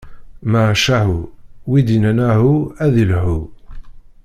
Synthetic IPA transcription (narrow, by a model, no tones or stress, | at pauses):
maʕʃæɦuwid̪inænæɦuæðilhu